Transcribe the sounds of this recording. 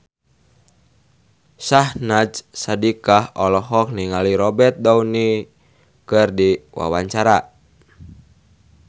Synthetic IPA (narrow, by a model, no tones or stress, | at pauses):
sahnad͡ʒsadikahɔlɔɦɔk̚niŋaliɾɔbɛt̪̚dauni | kɨrdiwa̰waɲt͡ʃaɾa